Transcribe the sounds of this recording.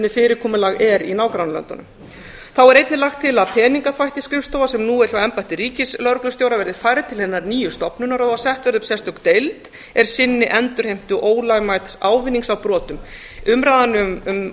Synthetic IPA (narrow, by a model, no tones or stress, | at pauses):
nɪfɪːɾɪɾkʰɔːmʏlaɣɛɾḭnaːwkɾanalœ̰nt̪a̰nʏ̰m | θawɛɾejt̪nɪlaxt̪ʰːɪlaðpʰɛːniŋkafajht̪ɪskɾɪfst̪oːwvasɛmnuːɛɾ̥çjawɛmpajht̪ɪɾiːcɪslœɾklʏ̥st̪joːwɾavɛɾðɪfaːjɾɪt̪ʰɪlhɛnːaɾniːjʏst̪ɔpnʏnaɾaðvasɛht̪vɛɾðʏmsɛst̪œkt̪ejlt̪ | ɛɾ̥sɪnːɪʔɛnt̪ʏɾ̥hejm̥t̪ʏʔoːwlajmajt̪saːwvɪnːiŋksawpɾɔːt̪ʏm | ʏmɾaːðanʏmm